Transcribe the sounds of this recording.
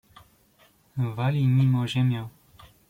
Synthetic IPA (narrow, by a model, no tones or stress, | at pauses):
valʲimʲimɔʒɛmʲjaw